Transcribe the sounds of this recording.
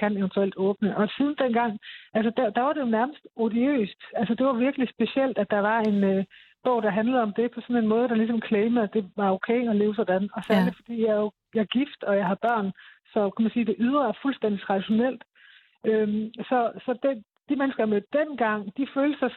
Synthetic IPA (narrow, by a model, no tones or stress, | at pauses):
kʰæneʊnt͡sʰuel̰d̥ɔ̽ːb̥nəʔɒ̽sʰiðˠn̩d̥en̰ɡ̥ɑ̈ŋ̰æls̬əd̥æd̥ɑ̈ʋɑ̈ɾe̝jo̝næɐməsd̥odiø̰ːsd̥ælsəd̥e̝ʋɑ̈ʋiɐɡ̥əlisb̥e̝ɕel̰d̥æd̥ɑ̈ʋɑ̈e̝nø | b̥ɔ̽ʊ̰d̥ɑ̈ɦænləɒ̽md̥e̝pʰɒ̽sɒ̽ne̝nmɔ̽ːð̞̩ˠd̥ɾɑ̈lisɒ̽mkʰleɪməd̥e̝ʋɑ̈oʊkʰeɪɒ̽le̝ːʊsɒ̽d̥ænɒ̽sæɐlidfɒ̽d̥ḭːjɑo | jɑ̈ɡ̥ifd̥ɒ̽jɑ̈ɪɦɑ̈b̥ɶɐ̰nsɒ̽kʰæmænsiːd̥e̝ʔyðˠʁɐfulsd̥en̰d̥it͡sʰʁɑ̈d̥iɕo̝nel̰d̥ | øsɒ̽sɒ̽d̥e | d̥imenəsɡ̥ɐɑmø̥d̥en̰ɡ̥ɑ̈ŋ̰d̥iføːlə̥sɑ